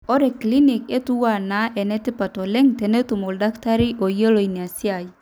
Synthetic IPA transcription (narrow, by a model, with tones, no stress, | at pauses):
ɔ˦ɾɛ˨kli˦ni˨ke˦tu˦wa˦˨na˨˦ʔɛ˨nɛ˦tɪ˦pa˨tɔ˨lɛ˦ŋtɛ˨ne˦tu˨mo˨lda˦kta˦ɾi˦ʔo˨je˦lo˨i˨ne˨a˨si˦a˨i˨